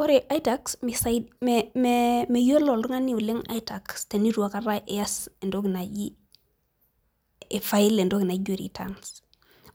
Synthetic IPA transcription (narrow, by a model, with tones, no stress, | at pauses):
wo˦ɾiʔa˦itaksmisamememe˨jo˦lo˨lɾu˦ŋa˦ni˦wu˨li˦ŋa̰˦ita˨kste˨ni˦ɾu˨wa˦kaɾa˦ʔe˨ja˦se˨ndo˦ɡi˨na˨ji˦˨ | fa˦i˦le˨ndo˦ɡi˨na˨ɟo˦ɾḭ˨ta̰ns